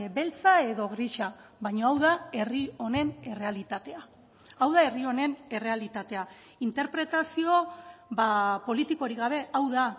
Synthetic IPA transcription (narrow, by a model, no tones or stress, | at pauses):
be̞lt͡sae̞ðo̞ɣɾiʃaβajɲo̞awðae̞rio̞ne̞ne̞re̞alit̪at̪e̞a | awðae̞rio̞ne̞ne̞re̞alit̪at̪e̞a | int̪e̞ɾpɾe̞t̪asio̞bapo̞lit̪iko̞ɾiɣaβ̞e̞awða